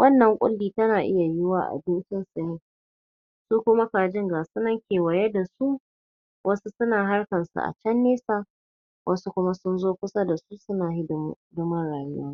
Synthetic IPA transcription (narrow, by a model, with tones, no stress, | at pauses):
wʔɐ˦nːɐ˨ŋkʷʼʊ̰˦lːiː˨tɐ˦naː˨ʔɪ̰˦ja˨jɪ˦waː˦ʔa̰˨bɪ˦nt͡ʃɪ˦nsɪ˨nɪ˦ŋ | su˦kʷʊ˦ma˦kaː˨d͡ʒɪ˦ŋɡaː˨sʊ˦nɐ˦ŋkʲeː˨wɐ˨jɛ˦da˨su˦ | wʔɐ˦su˦sʊ˦naː˨ɦa˦rkɐ˨nsṵ˨ʔa̰˨t͡ʃɛ˦nːeː˦saː˦ | wʔɐ˦su˦kʷʊ˦ma˦sʊ˦nzoː˦kʷʊ˦sa˦da˨su˦sʊ˦naː˨hɪ˦ddʊ˦mɐ˦nɽaː˨jʊ˦wɔ˦ŋ